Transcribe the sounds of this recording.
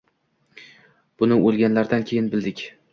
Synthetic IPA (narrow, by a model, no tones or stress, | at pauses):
b̥ʊnɪolˠɡʲanlaɾd̪ankʲʰe̞jɪnbɪld̪ɪkʲ